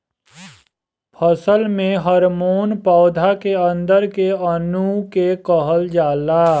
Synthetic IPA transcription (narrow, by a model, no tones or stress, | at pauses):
pʰəsəlmẽɦəɾmoːnpɔːd̪ʱakeə̃nd̪əɾkeənukekəɦəld͡ʒaːlaː